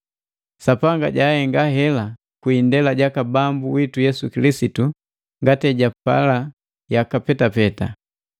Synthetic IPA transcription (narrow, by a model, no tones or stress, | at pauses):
sapaŋɡa̰ɟahɛŋɡaɦɛla | kwindɛlaɟakabambuwitujɛsukilisitu | ŋɡatɛɟapa̰la | jakapɛtapɛta̰